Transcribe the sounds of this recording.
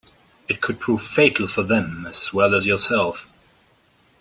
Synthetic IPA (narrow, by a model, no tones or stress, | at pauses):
ɨt̚kʰɨd̚pʰɹ̥uv̥feɪtʰˡl̩ˠfə˞ðɨ̃mɨz̥wɛlˠəzjə˞sɛlˠf